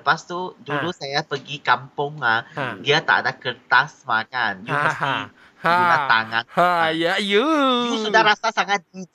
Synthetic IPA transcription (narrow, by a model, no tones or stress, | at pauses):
əpast̪udulusajapəɡikampʊŋlahdiat̪a̰ʔdakərt̪asmakanjupəsi | uat̪a̰ŋãajajujũsudahɾasasaŋãt̪̚di